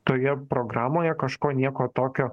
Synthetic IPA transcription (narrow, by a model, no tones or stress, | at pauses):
t̪oːjɛpɾoːɡɾɑːmoːjɛkɐʃkoːnʲiɛkoːt̪oːkʲoː